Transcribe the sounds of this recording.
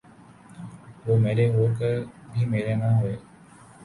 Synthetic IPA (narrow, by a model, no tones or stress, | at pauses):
ʋoːmeːɾeɦoːkəɾbʱimeːɾenaɦoeː